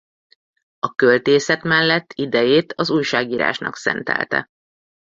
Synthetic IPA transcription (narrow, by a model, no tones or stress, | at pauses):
ɒkølt̪eːsɛt̪mɛlːɛt̪ːid̪ɛjeːt̪ʰɒzuːjʃaːɡiːɾa̰ːʃnɒ̰ksɛ̰nt̪ɛ̰lt̪ɛ̰